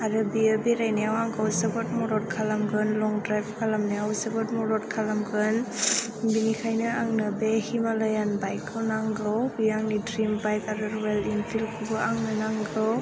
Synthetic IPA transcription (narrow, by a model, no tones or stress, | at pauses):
aɾɯbiabeɾajnijawaŋɡawsəbɔt̚mɔɾɔɾ̚kʰalamɡɯnlɔŋdɾajbkʰalamniawsabɯt̚mɔɾɔt̚kʰalamɡɯn | binikʰajnɯaŋnɯbehimalajanbajkʰːɯwnaŋɡɔbijaŋnidɾimbajkaɾɯɾwelinpʰilkʰubɯaŋnɯnaŋɡɔ